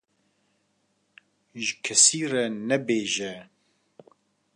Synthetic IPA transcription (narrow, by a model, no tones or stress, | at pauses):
ʒɨkʰɛsiːrɛnɛbeːʒɛ